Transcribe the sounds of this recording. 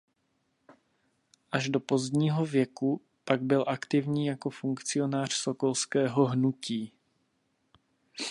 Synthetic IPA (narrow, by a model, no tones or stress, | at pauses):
ʔaʒdo̞po̞zdɲiːɦo̞vjɛku | paɡ̚bɪlʔakt̪ɪvɲiːjako̞fuŋkt͡sɪjo̞naːr̝̥so̞ko̞lskɛːɦo̞ɦnuciː